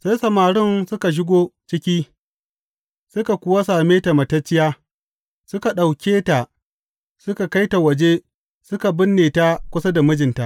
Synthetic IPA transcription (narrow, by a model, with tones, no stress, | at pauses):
sa˦jsɐ˨maː˨ɽɪ˦nsʊ˦ka˨ʃ̬ɪ˦ɡʷoː˦t͡ʃɪ˦kʲiː˦ | sʊ˦ka˨kʷʊ˦wa˦saː˨meː˦ta˨mɐ˨tɐ˦t͡ʃːɪ˦jaː˦ | sʊ˦ka˨ɗa˨wkʲeː˦ta˨ʔ | sʊ˦ka˨ka˦jta˨wɐ˨d͡ʒe˦ | sʊ˦ka˨bɪ˦nːeː˨ta˦kʷʊ˦sa˦da˨mʊ˦d͡ʒɪ˨nta˦ʔ